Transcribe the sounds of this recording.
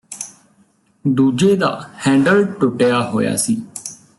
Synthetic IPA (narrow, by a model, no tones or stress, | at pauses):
d̪uːd͡ʒeːd̪a̰ːhɛ̃ːɳɖəlʈʊʈejaːɦo̰ːja̰ːsiː